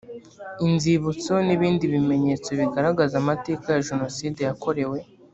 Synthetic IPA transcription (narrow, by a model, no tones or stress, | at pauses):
inziβut͡so̞niβiːndiβime̞ɲe̞t͡soβiɡaɾaɡazamate̞ːkajaʒeno̞side̞jako̞ɾe̞we̞